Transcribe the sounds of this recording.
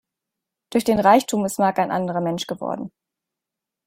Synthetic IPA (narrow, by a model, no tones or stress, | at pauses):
d̥ʊɐçd̥eːnʁaɪçtʰuːmɪstmaːkaɪnʔa̰ndəʁɐmɛnʃɡ̥əvɔ̰ɐdn̩